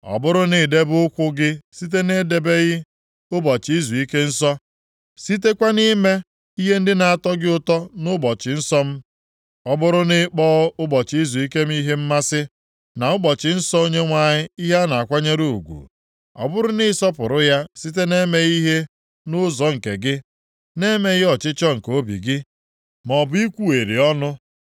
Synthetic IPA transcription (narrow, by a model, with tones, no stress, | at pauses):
ɔ̰˨bʊ˦ɾʊ˦nɪ˨de˦bʊ˦ʊ˦kʷʊ˦ɡɪ˦si˦t̬e˦ne˦de˨be˦ɣɪ˦ | ʊ˦bɔ˨t͡ʃi˦zu˨i˦ke˦n̩˦sɔ˦ | si˦t̬e˦kʷa˦ni˦me˦ | i˦ɦe˦n̩˦dɪ˦na˨a˨tɔ˦ɡɪ˦ʊ˦tɔ˦nʊ˦bɔ˨t͡ʃɪ˨n̩˦sɔ˦m̩˦ | ɔ˦bʊ˦ɾʊ˦nɪ˦k͡pɔː˦ʊ˦bɔ˨t͡ʃi˦zu˨i˦ke˦m̩˦i˦ɦe˦m̩˦ma˦sɪ˦ | na˨ʊ˦bɔ˨t͡ʃɪ˨n̩˦sɔ˦o˦ɲe˦ŋʷa˨ɲɪ˦i˦ɦe˦a˦na˨a˨kʷa˦ɲe˦ɾu˦u˨ɡʷṵ˨ | ɔ̰˦bʊ˦ɾʊ˦nɪ˦sɔ˦pʊ˨ɾʊ˦ja˦si˦t̬e˦ne˦me˦i˦ɦe˦ | nʊ˦zɔ˨ŋ̩˨ke˨ɡɪ˦ | ne˦me˦ɣɪ˦ɔ˨t͡ʃɪ˦t͡ʃɔ˦ŋ̩˨ko˦bḭ˨ɡɪ˦ | mɔ˨bʊ˨˦i˦kʷu˦e˨ɾḭ˨ɔ˦nʊ˦